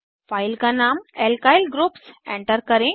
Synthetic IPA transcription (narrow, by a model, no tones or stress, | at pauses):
fajlkanamelkajlɡɾuːpsḛ̃ɳʈəɾkəɾẽ